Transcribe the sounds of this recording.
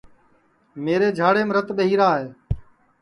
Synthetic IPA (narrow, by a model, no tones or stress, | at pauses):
meːɾeːd͡ʒʱaːɽeːmɾət̪ɓəɦiːɾaːɦeː